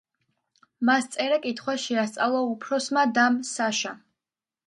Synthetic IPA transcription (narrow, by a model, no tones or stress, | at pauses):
mast̪sʼɛɾakʼit̪ʰχwaʃɛast̪sʼalˠaupʰɾɔsmad̪amsaʃa